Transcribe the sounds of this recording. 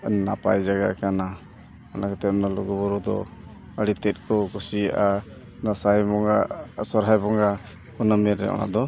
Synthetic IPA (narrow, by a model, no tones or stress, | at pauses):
napa̰jd͡ʒaɡa̰kana | ɔnakɛt̪ɛp̚nalɔɡubɔɾud̪ɔ̰ | əɽit̪ɛt̪̚kʰɔkɔsiaʔa | nasajmɔŋa̰sɔɾɦajbɔŋa | kɔnamɛɾɛ̰ʔɔ̰na̰d̪ɔ